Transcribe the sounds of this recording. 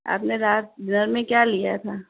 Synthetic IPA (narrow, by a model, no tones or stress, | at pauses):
a̰ːpneɾaːt̪̚bɪnəɾmẽkjaːlijat̪ʰaː